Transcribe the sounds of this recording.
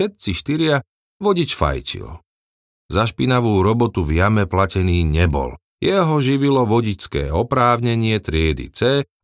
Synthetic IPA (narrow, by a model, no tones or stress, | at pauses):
ʃɛt̪̚t͡siʃt̪iɾɪa | ʋɔɟit͡ʃfa̰jt͡ʃḭl | zaʃpinaʋuːɾɔbɔt̪uvjamɛplacɛniːɲɛbɔ̰l | jɛɦɔʒiʋilɔʋɔɟit͡skɛ̰ːɔpɾaːʊɲɛɲɪɛt̪ɾɪɛd̪ḭt͡sɛː